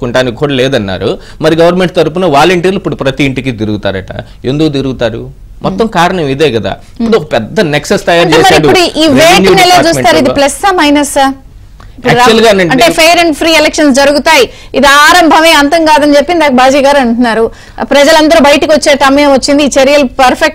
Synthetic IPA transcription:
kuɳʈaːnikːuːɽaːlɛːd̪ɐnːa̰ːɾu | mɐɾiɡɐʋɐɾnmeɳʈ̚t̪ɐɾupunɐʋaːlɐɳʈiːɾluipːuɽupɾɐt̪iːɳʈikit̪iɾuɡut̪a̰ːɾɐ̰ʈɐ̰ | end̪ukut̪iɾuɡut̪aːɾṵ | mʔɔt̪ːɐmkaːɾɐɳɐmid̪eːkɐd̪a̰ː | ipːuɽuɔkɐpɛd̪ːɐneksest̪ɐjaɐːɾɳɾt͡ʃeɛːmɐɾiipuɽuʔiːʋeːnɛlːɐt͡ʃuːst̪aːɾuid̪iplɐsɐmɐjnɐsa | ippːuɽuɾat͡ʃɐlɡanɐɳɐɳiʈe̞ːpʰejɾɐɳɖpʰɾiːɛlekʂɐnsd͡ʒɐɾuɡut̪aːji | id̪iaːɾɐmbʱɐme̞ːɐnt̪ɐŋkaːd̪ɐnit͡ʃepːind̪d̪aːkɐbaːd͡ʒiːɡaːɾɐɳʈunːaːɾu | pɾɐd͡ʒɐlɐnd̪ɐɾubɐjʈikiʋot͡ʃːeːʈɐmiɐmɐt͡ʃːind̪iːt͡ʃɐɾjɐlpɐɾpʰek̚

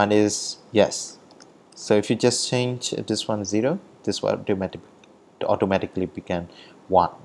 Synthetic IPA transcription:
ãnɪsjɛsː | oɪfjud͡ʒast͡ʃẽnd͡ʒdɪswãnziɹo | d̥ɪswa̰tomɛti | ɔ̰tomɛtɪklibiɡɛ̃n | wãn

